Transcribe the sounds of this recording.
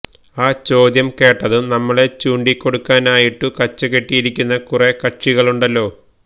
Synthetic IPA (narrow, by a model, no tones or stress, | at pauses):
aːt͡ɕo̞ːd̪jɐmke̞ːʈːɐðunɐmːɐɭet͡ɕuːɳɖikːo̞ɽukːaːnaːjiʈːukɐt͡ɕːɐke̞ʈːijiɾikʲːunːɐkurekɐʈʂiɣɐɭuɳɖɐlːo̞ː